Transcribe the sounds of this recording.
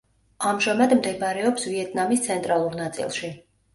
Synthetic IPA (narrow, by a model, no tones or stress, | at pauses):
amʒamad̪md̪ɛbɾɛɔpsviɛt̪̚ʰʼnamist̪sʰɛnt̪ʼɾalˠuɾnat̪sʼḭlˠʃi